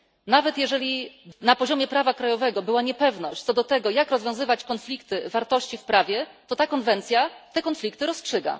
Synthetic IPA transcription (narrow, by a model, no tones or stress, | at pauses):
navɛt̪jɛʐɛlʲinapɔʑɔmʲjɛpɾavakɾajɔvɛɡɔbɘwaɲɛpɛvnɔɕt͡ɕt̪sɔd̪ɔt̪ɛɡɔjakɾɔzvʲjɔ̃w̃zɘvat͡ɕkɔnflʲikt̪ɘvaɾt̪ɔɕt͡ɕifpɾavʲjɛt̪ɔt̪akɔnvɛnt̪sʲjat̪ɛkɔnflʲik̚t̪ɘɾɔstʂɘɡa̰